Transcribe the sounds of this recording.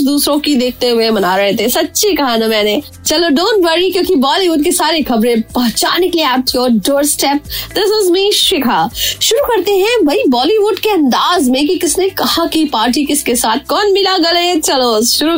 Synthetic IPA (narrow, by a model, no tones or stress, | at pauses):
d̪uːsɾõkid̪eːk̚ʰt̪eɦʊemɐnaːɾɐɦet̪ʰesɐtːʃikɐɦaːnamɛːne | t͡ʃɐloɖõːɳʈʋɐɾikjõːkibɔːliʋʊɖ̚kesaːɾexʰɐbɾẽpɐɦt͡ʃaːnekeliaːʊʈjɔːɾɖoːɾsʈɛːp̚d̪ɪsɪzmiʃɪkʰaʃʊɾukɐɾt̪eɦɛ̃bʱɐibɔːliʋʊɖkeɐ̃nd̪aːzmẽk̬ikɪsnekɐhakipaːɾʈ̬ikɪskesaːt̪̚ʰkɔːnmʱilaɡɐleːt͡ʃɐloʃʊɾu